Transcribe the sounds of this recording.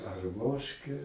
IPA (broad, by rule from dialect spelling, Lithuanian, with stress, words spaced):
ɐrˈmoːʃʲkʲɛ